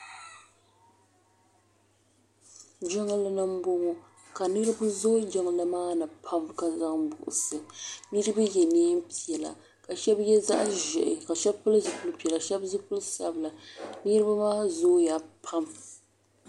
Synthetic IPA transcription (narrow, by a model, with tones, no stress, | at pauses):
d͡ʒɔ˦ŋa˦la˦nɨ˦m̩˦bo˦ŋo˦ | ka˨nɨ˦ɾɨ˦bʊ˦zo˦d͡ʒɛ˦ŋla˨maː˦nɨ˨pʰa˦mka˨za˦ŋbʊ˨ʔʊ̰˨sɨ˨nɨ˦ɾɨ˦ba˦jɛ˨neː˦m˦pi˨ɛ˨la̰˨ | ka˨ʃɛ˦bjɛ˦za̰˦ʔʒɛ˨ʔɪ˨ka˨ʃɛ˦bpʊ˦lɨ˦zɨ˨pʊ˦lɨ˦pi˨ɛ˨la˨ʃɛ˦bzɨ˦pʊ˦lsa̰˦bɨ˨la˨nɨ˦ɾɨ˦ba˦maː˦zoː˦ja˨pʰa˦m